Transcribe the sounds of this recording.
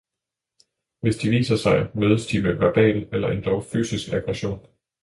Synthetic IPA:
ʋe̝sd̥iʋḭːsɐsɑ̈ɪmøːð̞ˠəsd̥iʋeʋæɐb̥ɛ̰ːlelɐʔe̝nd̥ɒʊfy̰ːsisɡ̥æɡ̥ʁɛɕo̝̰ːn

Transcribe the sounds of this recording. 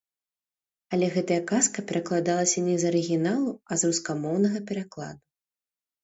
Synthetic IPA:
ɐlʲɛɣɛt̪ɐjɐkaskɐpʲɛɾɐklˠad̪alˠɐsʲɐnʲɛzɐɾɨɣʲinalˠuɐzɾuskamɔwnɐɣɐpʲɛɾaklˠa̰d̪u

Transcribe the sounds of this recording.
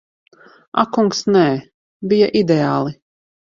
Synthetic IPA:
a̰kuŋksnɛː | bijaʔid̪eaːlˠi

